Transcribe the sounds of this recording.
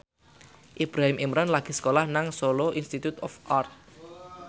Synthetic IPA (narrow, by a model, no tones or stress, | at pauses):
ʔib̥ɾaɦimʔimɾanlaɡ̥i̤sə̥kolahnaŋsoloʔinst̪it̪ut̪ɔfart̪̚